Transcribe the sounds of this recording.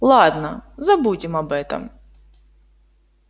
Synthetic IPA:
lˠɑd̪nɐzɐbudʲɪmɐbɛt̪ɐ̰m

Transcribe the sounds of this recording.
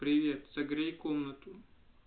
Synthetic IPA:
pɾʲɪʋʲet̪z̥ɐɡɾʲejkomnɐt̪ʊ

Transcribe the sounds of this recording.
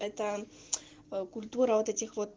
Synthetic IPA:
ɛt̪ə | kʊlʲt̪uɾɐvot̪ɛtʲɪxvot̪̚

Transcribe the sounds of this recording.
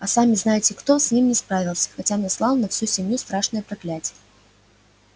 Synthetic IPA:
ɐsamʲiznajɪt͡sʲɪkt̪ɔsʲnʲimnʲɛspɾavʲilˠsʲɐ̥xɐt͡sʲanaslˠalˠnɐfsʲusʲɪmʲjust̪ɾaʂnɨjəpɾaklʲat͡sʲijə

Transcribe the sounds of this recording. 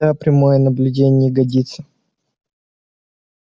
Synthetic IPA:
apɾʲɪmojənəblʲʉdʲenʲɪjəɡɐdʲit̪sə

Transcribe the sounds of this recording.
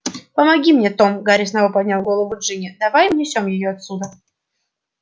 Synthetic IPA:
pəmɐɡʲimnʲet̪o̞mɡaɾʲɪsnɐvopɐdʲnʲalˠɡo̞lˠəvʊʐɨnʲɪd̪ɐvajmnʲɪsʲo̞mjɪjoɐt̪sʲud̪ə

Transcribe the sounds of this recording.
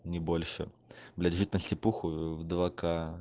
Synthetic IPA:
nʲɪbolʲʂɨ̰ | blʲædʲʐɨt̪ʲnəsʲtʲɪpuxʊvd̪vaka

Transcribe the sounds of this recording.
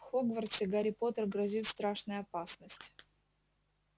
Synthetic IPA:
xoɡvərtʲɪɡaɾʲɪpo̞t̪ərɡɾɐzʲit̪st̪ɾaʂnʊjɐpasnəsʲtʲ

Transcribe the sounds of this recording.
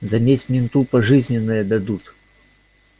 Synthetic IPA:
zɐmʲesʲmʲɪnt̪upɐʐɨzʲnʲɪnːəjəd̪ɐd̪ut̪

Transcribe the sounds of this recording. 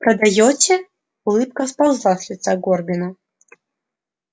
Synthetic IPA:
pɾɐd̪ajɔt͡sʲɛ | ulˠɨp̚kɐspawzlˠasʲlʲit̪saɡɔrbʲinɐ

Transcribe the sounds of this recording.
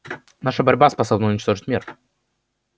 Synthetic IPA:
naʂəbɐɾʲbaspɐso̞bnəʊnʲɪt͡ɕt̪o̞ʐɨtʲmʲir

